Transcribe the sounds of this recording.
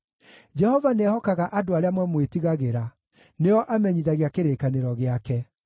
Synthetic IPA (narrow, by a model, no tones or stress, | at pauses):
d͡ʒɛhɔvanɛhɔkaɣaʔadoaɾeamwɛmwetiɣaɣeɾa | neɔʔamɛɲiðaɣjakeɾeːkaneɾɔɣeakɛ